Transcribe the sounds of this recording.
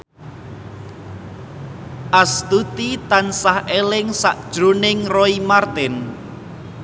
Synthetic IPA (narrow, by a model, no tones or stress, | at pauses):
ʔast̪ut̪it̪ansahʔelɪŋsaʔd̥ʒ̥ɾonɪŋrɔimart̪ɪn